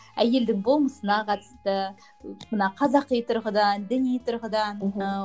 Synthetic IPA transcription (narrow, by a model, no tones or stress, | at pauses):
æje̞ld̪ɪŋbo̞lˠməsənɑqʰɑt̪ə̥st̪ə | mənɑqʰɑzɑqːijt̪ʰʊɾʁəd̪ɑnd̪ɪnijt̪ʰʊɾʁəd̪ɑn